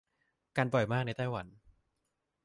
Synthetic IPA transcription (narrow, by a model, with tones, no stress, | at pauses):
kaː˧nbɔ˨˩jmaː˥˩k̚na˧t̪aː˥˩jwa˩˦n